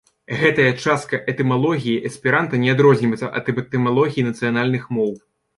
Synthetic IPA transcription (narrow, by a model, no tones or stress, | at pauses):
ɣɛt̪ɐjɐt͡ʂast̪̚kɐʔɛt̪ɛmalˠɔɣʲijiʔɐsʲpʲiɾant̪ɐnʲɛad̪ɾɔzʲnʲiɐjt̪sɐʔɐ̰t̪ɐbɛt̪ɛmalˠɔɣʲijinɐt̪sɨjanalʲnɨxmɔw